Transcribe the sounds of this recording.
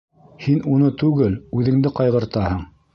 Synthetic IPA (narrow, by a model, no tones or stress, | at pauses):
hinunɤt̪ʉɡɘlʉðɘ̆ŋd̪ɘqɑjʁɤ̆ɾt̪ɑhɤɴ